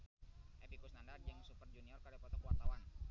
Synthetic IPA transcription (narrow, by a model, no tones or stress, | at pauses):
ʔepikusnandard͡ʒaŋsupərd͡ʒuniɔrkaɾapɔt̪akwart̪awan